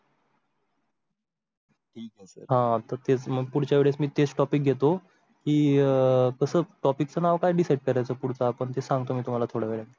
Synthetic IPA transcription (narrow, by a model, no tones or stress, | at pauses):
ʈʰiːkɛsəɾɦãt̪əɾt̪et͡sməɡ̚puɽ̤t͡ɕjaʋeɭet͡smiːt̪ed͡zʈɔpik̚ɡʱet̪o | kiː | kəsəːʈɔpik̚t͡sənaʋkajɖisaiɖkəɾajt͡səːpuɽ̤t͡saːpəɳt̪esãŋɡ̚t̪omiːt̪um̤alat̪ʰoɽaʋeɭe